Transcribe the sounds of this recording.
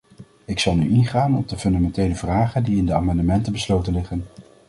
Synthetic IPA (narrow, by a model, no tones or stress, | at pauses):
ɪksɑlˠny̰ʔɪnχaːnɔb̚dəfɵndamɛntejləvraːχəndiɪndəa̰ːmɑndəmɛntəbəslowtənlɪχən